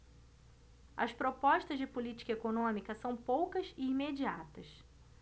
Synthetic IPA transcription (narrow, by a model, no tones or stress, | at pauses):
ɐ̰spɾopɔʃt̪ɐzd͡ʒɪpulit͡ʃi̥kɐekonõmikɐsɐ̃w̃powkɐzɪimed͡ʒia̰t̪ɐs